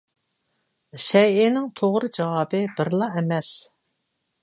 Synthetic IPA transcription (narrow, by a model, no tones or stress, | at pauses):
ʃɛjɪnɪŋt̪ʰoʁɾɨd͡ʒɑwɑːbɨbɪɾlˠɑɛmɛs